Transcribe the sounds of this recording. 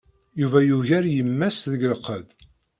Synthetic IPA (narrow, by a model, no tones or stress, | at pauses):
juvæjuʝæɾjəmːæsðəɡləqːəd̪